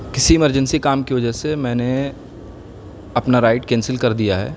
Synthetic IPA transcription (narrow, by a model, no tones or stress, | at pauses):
kɪsiɪməɾd͡ʒə̃nsikaːmkiʋɐd͡ʒəɦsemɛ̃ːne | ɐpnaɾaːɪʈkɛ̃ːnsɪlkɐɾd̪ijaɦɛ̰ː